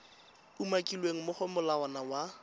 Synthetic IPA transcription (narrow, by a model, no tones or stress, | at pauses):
umakʼilweŋ̩mʊχɔmʊlaɔnawa